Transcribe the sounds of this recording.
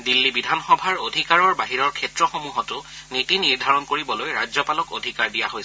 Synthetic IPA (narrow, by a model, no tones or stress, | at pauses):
dilːibidʱanxɔbʱaɹodʱikaɹɔɹbaɦiɹɔɹkʰɛtɹɔxomuɦɔtʊ | nitiniɹdʱaɹɔnkoɹibɔlojɹajzɔpalɔkodʱikaɹdijaɦoj